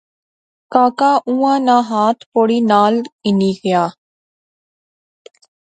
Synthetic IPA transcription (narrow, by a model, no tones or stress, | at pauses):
kaːkaːʔũːãːnãːɦaːt̪ʰpoːɽiːnaːlɪniːɡɪjaː